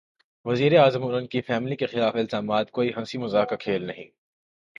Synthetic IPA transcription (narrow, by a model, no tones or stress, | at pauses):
ʋɐziːɾeaːzəmʊnənkifɛːmɪlikexɪlaːfɪlzaːmaːt̪koːiɦɐ̃nsimʊzaːkakʰeːlnɐɦĩː